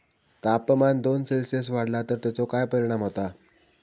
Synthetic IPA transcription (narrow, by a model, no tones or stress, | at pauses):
t̪apmand̪onselsəs̬ʋaɽlat̪əɾt̪at͡sokajpəɾiɽ̃amɦot̪a